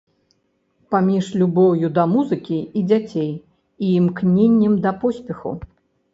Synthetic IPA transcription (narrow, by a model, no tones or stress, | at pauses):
pamʲiʂlʲubɔwjud̪ɐmuzɨkʲiid͡zʲat͡sʲej | iːmknʲenʲːɛmd̪ɐpɔsʲpʲɛxṵ